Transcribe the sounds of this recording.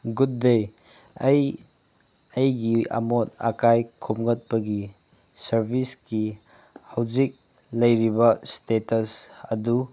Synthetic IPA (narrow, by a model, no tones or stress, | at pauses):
ɡut̚dej | j | ɐjɡia̰motɐ̰kajkʰomɡɐt̚pɐɡi | sɐɾbʱiski | hɐwzik̚ | lɐjɾibɐstetɐsɐdu